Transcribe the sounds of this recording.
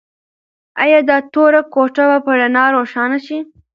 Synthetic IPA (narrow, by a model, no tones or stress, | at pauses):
ajɑd̪ɑt̪oɾakoʈabapəɽanɑːɾoʃɑːnaʃi